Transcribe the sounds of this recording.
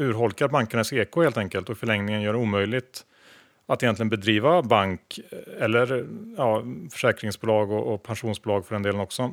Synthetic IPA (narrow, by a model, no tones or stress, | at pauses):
ʉ̟ːɾɦɔlkaɾbaŋkəɳaseːkʰoheːlt̪ɛŋkəlt̪ɔkfœɭɛŋnɪŋənjœːɖɛuːmœjlɪt̪ | at̪ɛjɛnt̪lɪɡənbɛd̪ɾiːvabaŋkɛlːəɾjɑːfœ̥ʂɛːkɾɪŋsbʊlɑːɡɔʔɔpʰanʂuːnsbʊlɑːɡfœɖɛnd̪eːlənɔksɔ